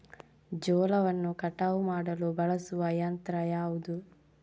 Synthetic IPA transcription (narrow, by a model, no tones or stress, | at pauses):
d͡ʒɔːlɐʋɐnːukɐʈːaʋumaːɽɐlubɐɭɐsuʋɐjɐnt̪ɾɐjaːʋud̪u